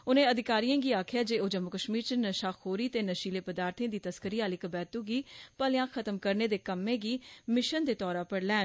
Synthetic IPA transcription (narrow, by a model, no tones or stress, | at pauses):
ʊnẽːəd̪ɪkaːɾiːjãːɡiːaːkʰɪjaːd͡ʒeːoːd͡ʒəmːʊkəʃmiːɾt͡ʃənəʃaːxʰoːɾiːt̪eːnəʃiːleːpəd̪aːɾt̪ʰẽːd̪iːt̪əskəɾiːaːlɪkbɛːt̪uːɡiːpəljãːkʰət̪əmkəɾneːd̪eːkəmːẽːɡiːmɪʃənd̪eːt̪ɔːɾaːpəɽlɛːn